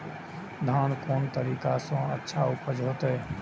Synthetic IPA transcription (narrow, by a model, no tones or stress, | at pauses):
d̪ʱaːnkoːnt̪əɾiːkasõə̰tːʃʰaʊpəd͡ʒɦoːt̪e